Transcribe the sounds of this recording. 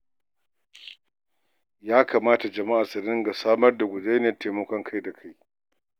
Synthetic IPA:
jaː˦kʰaː˨maː˦ta˨d͡ʒɐ˨ma˦ʔa˨sɐ˨ɾɪ˦ŋɡa˨saː˦mɐ˦rda˨ɡʷʊ˨d͡ʒe˦n˦˨te˨mɐ˦kʷɔ˦ŋkʰa˦jda˨kʰa˦j

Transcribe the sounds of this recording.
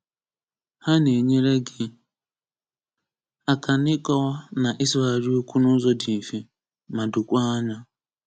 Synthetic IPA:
ha˦ne˨ɲe˦ɾe˦ɡɪ˦ | a˨ka˨nɪ˦kɔ˦wa˦na˨ʔɪ˦sɔ˦a˨ɾi˦o˦kʷu˦nʊ˦zɔ˦dɪ˨ni˨fi˦ | ma˨dʊ˨kʷa˦a˦ɲa˦

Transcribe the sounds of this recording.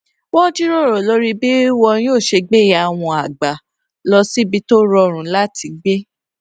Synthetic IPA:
wɔ̃˦d͡ʒi˦ɾɔ˦˨ɾɔ˨lɔ˨˦ɾi˧bi˦wɔ˧ĩ˦o˦˨ʃe˧ɡ͡be˦˨ja˨w̃ɔ̃˧a˨ɡ͡ba˨ | lɔ˧si˦bi˧˦to˦ɾɔ˧ɾ̃ũ˨˦la˦tʰi˧ɡ͡be˦

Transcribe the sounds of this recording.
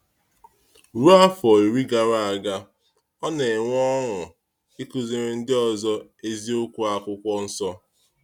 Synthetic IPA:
ɾu˦a˦fɔ˨e˨ɾi˦ɡa˨ɾa˨a˨ɡa˦ | ɔ˦ne˨ŋʷ˦ɔ˦ŋʊ˨ | i˦ku˦zi˨ɾɪ˦n̩˦dɪ˦ɔ˨zɔ˦e˦zi˦ʊ˦kʷu˦a˨kʷʊ˦kʷɔ˦n̩˦sɔ˦

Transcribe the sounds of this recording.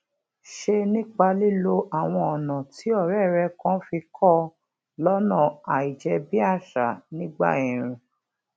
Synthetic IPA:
ʃe˧nĩ˦k͡pa˧li˦lo˧ʔa˨w̃ɔ̃˧ɔ˨nã˨ti˨˦ɔ˦˨ɾɛ˦˨ɾɛ˧kã˨˦fi˧kʰɔ˦˨ | lɔ˦nã˦˨a˨i˨d͡ʒɛ˧bi˦a˦˨ʃa˨nĩ˦ɡ͡ba̰˦˨ĩ˨ɾ̃ĩ˨

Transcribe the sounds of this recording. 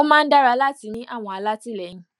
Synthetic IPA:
o˦mãː˦˧n̩˦da˦ɾa˧˦la˦ti˨˦nĩ˦ʔa˦˨w̃ɔ̃˧a˧la˦ti˦˨lɛ˨˦nĩ˨˧

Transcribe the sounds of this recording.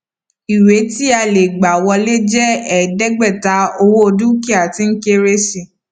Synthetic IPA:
i˨we˨˦ti˦a˧le˨ɡ͡ba˨wɔ˧le˦d͡ʒɛ˦ɛ˨dɛ˦ɡ͡bɛ˦˨ta˨˧o˧wo˦o˧dũ˦ki˦a˨ti˧ŋ̩˦ke˦ɾe˦ʃi˧˨

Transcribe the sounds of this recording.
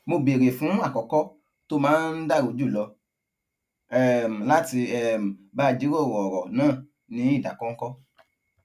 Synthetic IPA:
mo˧be˨ɾe˨fũ˨˦a˦˨kɔ˨kɔ˦ | to˦mãː˦n̩˦da˦˨ɾo˨˧˦d͡ʒu˦˨lɔ˧ | ɛ˦˨m̩˨la˦ti˧ɛ˦˨m̩˨ba˦˧d͡ʒi˨˦ɾo˦˨wɔ˨ɔ˨ɾɔ˨nãː˦˨ | nĩ˨˦i˦˨da˨kɔ̃˦ŋ̩˦kɔ˦

